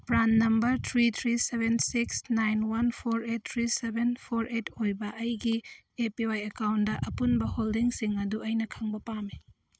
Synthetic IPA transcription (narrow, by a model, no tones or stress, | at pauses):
pɾanːɐmbɐɾt̪ʰɾit̪ʰɾisebensiksnajnwɐnpʰoɾet̚tʰɾisebenpʰoɾetojbɐʔɐjɡi | epiajɐkawndɐʔɐpunbɐholdiŋsiŋɐduɐjnɐkʰaŋbɐpami